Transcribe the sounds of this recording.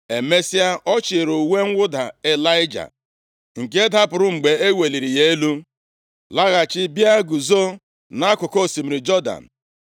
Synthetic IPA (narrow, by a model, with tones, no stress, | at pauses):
e˨me˦si˦a˦ʔɔ˦t͡ʃɪ˨ɾu˨we˦ŋ̩˦wʷʊ˦da˨e˨la˦ɪ˦d͡ʒa̰˨ | ŋ̩˨k̬e˦da˦pʊ˨ɾʊ˦ŋ͡m̩˨ɡ͡be˨e˦we˨li˨ɾi˨je˦lu˦ | la˦ɣa˨t͡ʃɪ˦bja˦ɡu˨zo˦ | na˦kʊ˨ko˦˨si˨m̩˨ɾi˨d͡ʒɔ˦da̰˨n̩˨